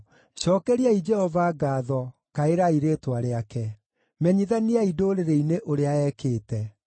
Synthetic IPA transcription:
ɕɔkɛɾiaid͡ʒɛhɔvaɡaːðɔkaeɾaiɾetwaɾeakɛ | mɛɲiðaniaidoːɾeɾeineʔoɾeaɛkeːtɛ

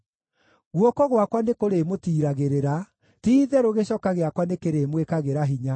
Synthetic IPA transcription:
ɣwɔkɔɣwakwanekoɾemotiːɾaɣeɾeɾa | tiːðɛɾoɣeɕɔkaɣeakwanekeɾeːmwekaɣeɾaɦiɲa

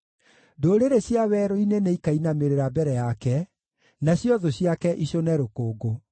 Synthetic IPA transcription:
doːɾeɾeɕjawɛɾoineneikainameɾeɾabɛɾɛjakɛ | naɕjɔðoɕjakɛʔiɕonɛɾokoːɡo

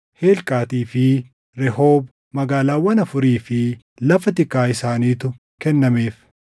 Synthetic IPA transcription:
heːlkʼaːt̪iːfɪ | ɾɛhoːb | mɐɡaːlaːwːɐnɐfʊɾiːfɪ | lɐfɐt̪ɪkːaːɪsaːniːt̪ʊ | kɛnːɐmeːf

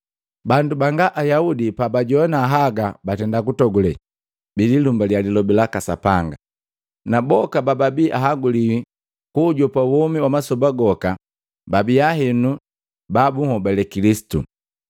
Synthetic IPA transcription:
bandubaŋɡaʔajaudipabaɟɔnaːɦaɡabatɛndakutɔɡulɛ | bililumbaljalilɔbilakasapaŋɡa | nabɔkabababiʔaɦaɡuliwi | kuːɟɔpawɔmiwamasɔbaɡɔka | babiaɦɛnu | babuŋhɔbalɛkilisi̥tṵ

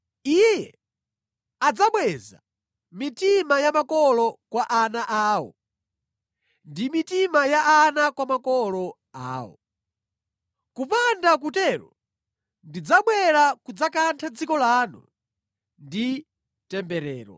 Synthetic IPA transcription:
ijɛ | ad͡zaɓwɛza | mitimajamakɔlɔkwaʔanaʔaːwɔ̰ | ndimitimajaʔanakwamakɔlɔ | a̰ːwɔ̰ | kupandak̬utɛɾɔ | ndid͡zaɓwɛɾakud͡zakantʰad͡zikɔlanṵ | ndi | tɛmbɛɾɛːɾɔ̰

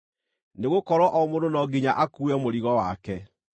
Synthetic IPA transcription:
neɣokɔɾɔʔɔmondonɔɡiɲaʔakuɛmoɾiɣɔwakɛ

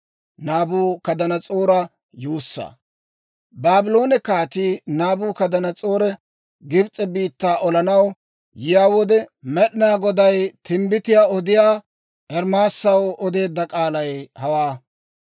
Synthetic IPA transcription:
naːbuːkɐd̪ɐnɐt͡sʼoːɾɐ | juːsːɐ̰ | baːbɪlo̞ːnɛkaːt̪inaːbuːkɐd̪ɐnɐt͡sʼo̞ːɾɛ | ɡɪbt͡sʼɛbiːt̪ːaːʔɔlɐnɐw | jɪjaːwɔd̪ɛmɛɗɪnaːɡɔd̪ɐjt̪ʰɪmbɪt̪ɪjaːɔd̪ɪjaː | ʔɛɾmaːsːɐwɔd̪e̞ːd̪ːɐkʼaːlɐjhɐwaː

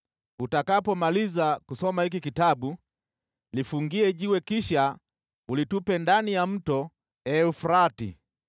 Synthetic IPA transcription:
utakapɔmalizakusɔmahik̬ikitaɓu | lifuŋɡiɛʄiwɛkiʃa | ulitupɛndanijam̩tɔ | ɛufɾatḭ

